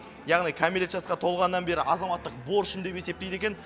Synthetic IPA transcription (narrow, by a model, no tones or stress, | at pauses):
jɑʁnijkʰamilʲet̪ʒɑsqɑt̪ʰo̞lˠʁɑnəːɑnbe̞ɾɪʔɑzɑmɑt̪ːəq̚bo̞ɾʃɪnd̪e̞pe̞sept̪ejd̪e̞kʲe̞n